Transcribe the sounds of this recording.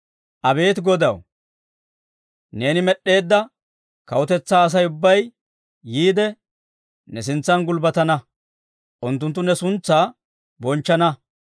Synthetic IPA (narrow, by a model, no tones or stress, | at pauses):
ʔɐbe̞ːt̪ɡɔd̪ɐ̰w | ne̞ːnɪmɛɗe̞ːd̪ːɐ | kɐwɔt̪ɛt͡sːaːs̬ɐjʊbːɐjː | iːd̪ɛ | nɛs̬ɪnt͡sːɐnɡʊlbɐt̪ɐnɐ | ʔʊnt̪ːʊnt̪ːʊnɛsʊnt͡sːaː | bɔnt͡ʃːɐnɐ